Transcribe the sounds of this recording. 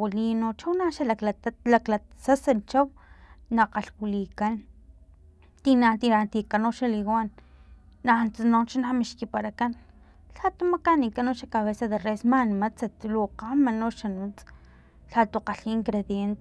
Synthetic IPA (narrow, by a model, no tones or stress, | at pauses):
wilinot͡ʃawnaʃalaaklasasat͡ʃawnaqaɬwilikan | t̪inat̪iat̪ikanoʃaliɣʷanː | ant͡sanot͡ʃanamiʃkipaɾakan | ɬat̪umakanikanoʃakaβesaðeresmanimat͡sat̪luqamanoʃanut͡s | ɬat̪uqaɬiːŋkɾeðjent̪e